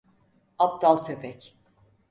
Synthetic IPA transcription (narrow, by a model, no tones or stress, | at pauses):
ap̚d̪alˠt̪ʰøpʰɛc